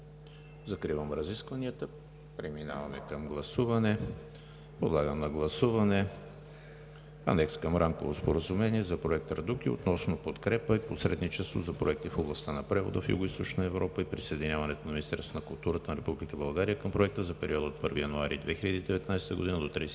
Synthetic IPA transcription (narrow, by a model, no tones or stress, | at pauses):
zɐkɾivəmɾɐziskvɐniət̪ə | pɾɛmina̰vɐmɛ̰kəmɡlˠɐsuvɐnɛ | pod̪lˠaɡəmnɐɡlˠɐsuvɐnɛ | ɐ̰nɛkskəmɾamkovospoɾəzumɛniɛzɐpɾoɛk̚t̪ɾd̪uk̟io̰t̪nɔsnopot̪kɾɛpəiposɾɛd̪nit͡ʃɛst̪vo̰zɐpɾoɛk̚t̪ifoblˠɐst̪anɐpɾɛvo̰d̪ə̰fjṵɡoʊist̪ot͡ʃnəɛvɾɔpəipɾisəɛd̪inʲavɐnɛt̪onɐminist̪ɛɾst̪vonɐkʊlˠt̪uɾət̪ənɐɾɛpublikəbɐlˠɡaɾijəkəmpɾoɛk̚t̪əzɐpɛɾiɔd̪ot̪̚pɤɾvijɐnoaɾḭd̪vɛxilʎəd̪iːd̪ɛvɛt̪najst̪əɡʊd̪inəd̪ot̪ɾi